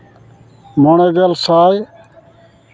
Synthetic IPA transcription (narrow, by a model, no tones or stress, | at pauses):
moːɳeːɡelsaːj